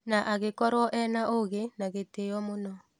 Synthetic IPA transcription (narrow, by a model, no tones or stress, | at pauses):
naʔaɣekɔɾwɔʔɛnaʔoɣenaɣetejɔmonɔ